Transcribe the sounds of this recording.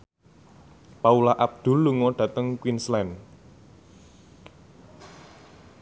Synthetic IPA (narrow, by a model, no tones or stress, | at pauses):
paulaʔab̚d̪̥ʊ̤lːuŋɔɖ̥ä̤t̪əŋkwinslɛn